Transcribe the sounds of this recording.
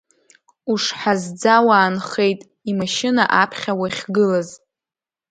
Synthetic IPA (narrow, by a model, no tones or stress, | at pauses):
uʂħazd͡zawaːnχe̞jtʼ | imaʃɪnaʔapʰχʲawaχʲɡɨlaz